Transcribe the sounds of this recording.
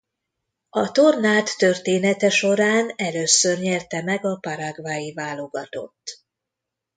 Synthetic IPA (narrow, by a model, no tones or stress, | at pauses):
ɒt̪o̞rnaːt̪ːørt̪eːnɛt̪ɛʃo̞ɾaːnɛløːsørɲɛrt̪ɛmɛɡɒpɒɾaɡvaːjivaːlo̞ɡɒt̪o̞̰t̪ː